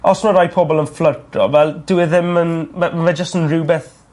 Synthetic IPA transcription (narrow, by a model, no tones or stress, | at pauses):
ɔsmɔɾajpʰɔbɔlˠənflərtʰrɔ̰vɛlˠd̥ɪwɪðɪmənɛmavɛd͡ʒəstənrɪwbɪθ